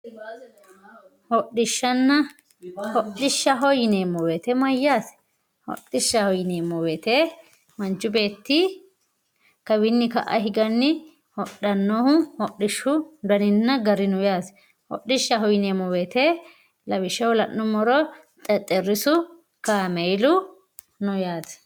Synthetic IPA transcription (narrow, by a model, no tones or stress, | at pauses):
hɔɗɪʃːɐnːɐ | hɔɗɪʃːɐɦɔjɪneːmɔweːt̪ɛmɐjːaːs | hɔ̰ɗːɪʃːɐhɔjɪneːmːɔweːt̪ɛ | mɐnt͡ʃːʊbe̞ːt̪ːɪ | kɐbɪnːɪkɐ̰ʔɐ̰ɦɪɡɐnːɪ | hɔɗːɐnːohʊhɔɗɪʃːʊd̪ɐnɪnːɐɡɐɾɪnʊjaːs | hɔ̰ɗːɪʃːɐɦɔjɪneːmɔweːt̪ɛ | lɐβɪʃːɐwʊlɐʔːʊmɔɾɔ | t̪ʼɛt̪ʼɛrɪsʊ | kamɛjlʊ | nʊjaːt̪ɐ̥